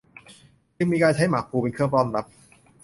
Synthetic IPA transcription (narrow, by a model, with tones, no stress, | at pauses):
t͡ɕɯ˧ŋmiː˧kaː˧nt͡ɕʰa˦˥jmaː˩˦˥k̚ʰuː˧pe˧nkʰɯ˥˩əŋpɔ˥˩nɾa˦˥p̚